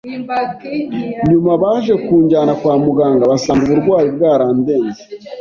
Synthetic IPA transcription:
ɲumaβaʒe̞kuːɲɟanakwaːmuɡaːŋɡaβasaŋɡuβuɾɡwaːjibɡaːɾaːnde̞ːɲze

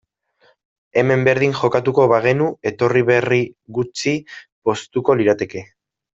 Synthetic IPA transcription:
e̞me̞mbe̞ɾð̞iŋʝo̞kat̪uko̞βaɣ̞e̞nue̞t̪o̞riβe̞riɣut͡sipo̞st̪uko̞liɾat̪e̞ke̞

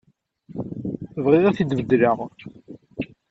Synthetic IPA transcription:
θəvʁiðæθid̪vəd̪ləʁ

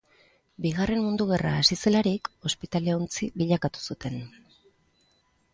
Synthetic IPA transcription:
biɣ̞are̞mmund̪uɣ̞e̞raːsise̞laɾiko̞spit̪aleont͡siβiʎakat̪u̥sut̪e̞n

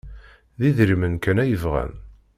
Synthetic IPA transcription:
ðiðɾimənkænæjəvʁæ̰n

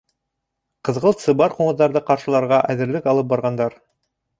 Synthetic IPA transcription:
qɤ̆ðʁɤlˠt̪sɤ̆βɑɾquɴɤ̆ðːɑɾðɤqɑɾʃɤ̆lˠɑɾʁɑʔæðɘ̆ɾlɘkɑlˠɤp̚bɑɾʁɑnd̪ɑɾ

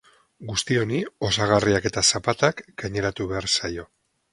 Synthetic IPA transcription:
ɡust̪io̞nio̞saɣ̞ariake̞t̪asapat̪akɡajɲe̞ɾat̪uβe̞aɾsajo̞

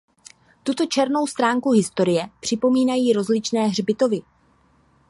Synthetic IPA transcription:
t̪ut̪o̞t͡ʃɛɾno̞wst̪ɾaːŋkuɦɪst̪o̞ɾɪjɛpr̝̥ɪpo̞miːnajiːɾo̞zlɪt͡ʃnɛːɦr̝bɪt̪o̞vɪ

